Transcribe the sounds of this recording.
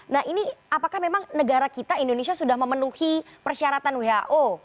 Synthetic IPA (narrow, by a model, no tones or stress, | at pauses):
naɦiniapakahmemaŋnəɡaɾakit̪aindonesiasudahməmənuhipərʃiaɾat̪anweɦaʔo